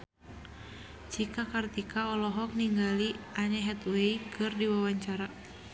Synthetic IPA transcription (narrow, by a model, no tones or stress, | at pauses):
t͡ʃikakart̪ikaɔlɔɦɔk̚niŋɡaliaɲaɦɛt̪weikʰɨrdiwawaɲt͡ʃaɾa